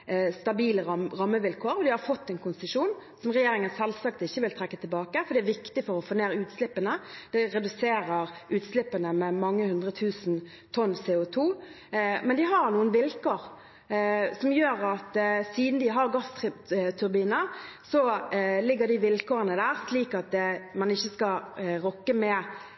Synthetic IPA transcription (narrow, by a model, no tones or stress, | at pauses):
st̪ɑbiːləɾɑmːəʋɪlkʰoːɾɔd̪ɪhɑɾfɔt̪ːɛnkʰʊnsəʂuːnsɔmʁɛjeːɾɪŋənsɛlːsɑk̚t̪ɪçːəʋɪlt̪ʰɾɛkːət̪ʰɪlbɑːkəfɔɾɖ̪ɛæɾʋɪkt̪ɪfɔɾɔfoːneːɾʉːt̪slɪpːənəd̪̥ɛɾɛd̪ʉseːɾəɾʔʉːt̪slɪpːənəmɛmɑŋːəhʉnd̪ʁət̪ʰʉːsn̩ | t̪ʰɔnseːʊt̪ʰuː | mɛnd̪ɪɦɑɾnuːənʋɪlkoːɾ | sɔmjøːɾɑt̪siːd̪n̩d̪ɪɦɑʁɡɑst̪ʰʉɾbiːnəsɔlɪɡːəɾd̪ɪʋɪlkʰoːʁənəd̪æːʁsliːkɑt̪̚d̪ɛmɑnɪçːəskɑɾɔkːəmɛ